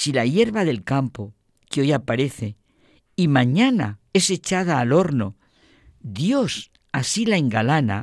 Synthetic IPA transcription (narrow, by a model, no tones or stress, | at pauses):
silaje̞ɾβaðe̞lkampo | ko̞japaɾe̞θe̞ | imãɲana̰e̞se̞t͡ʃað̞aːlo̞ɾno̞ | d̪jo̞s | asilaeŋɡalana̰